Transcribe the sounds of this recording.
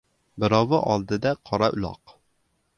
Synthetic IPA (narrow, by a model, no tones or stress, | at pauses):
bɪɾɑwəʔɑlˠd̪ɨd̪ɛqʰɑɾɑʔylˠɑ̰q